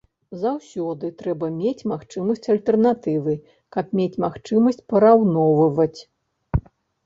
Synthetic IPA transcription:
zawsʲɔd̪ɨt̪ɾɛbɐmʲet͡sʲmaxt͡ʂɨmɐsʲt͡sʲɐlʲt̪ɛrn̪at̪ɨvɨ | kɐpmʲet͡sʲmaxt͡ʂɨmɐsʲt͡sʲpɐɾawnɔvɐvɐt͡sʲ

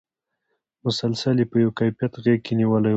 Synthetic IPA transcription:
mʊsalsaljepəjawkajfijat̪ɣeɡ̚kʰeniwəla

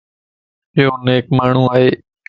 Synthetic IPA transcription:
ɪɦoːneːk̚maːɳ̤ũːaːɦeː

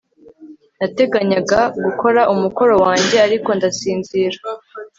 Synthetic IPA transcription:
nate̞ɡaɲaɡaɡuko̞ɾaʔumuko̞ɾo̞waːɲɟe̞aɾiko̞ndasiːnziɾa

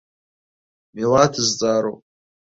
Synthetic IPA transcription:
mewatʰɨzt͡sʼaːɾo̰wp

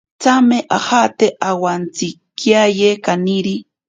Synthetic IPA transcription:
t͡sameʔahat̪eʔawant͡sɪkjajekaniɾi

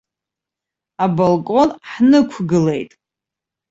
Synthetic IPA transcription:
abolkʼo̞nħnɨkʷʰɡɨle̞jtʼ

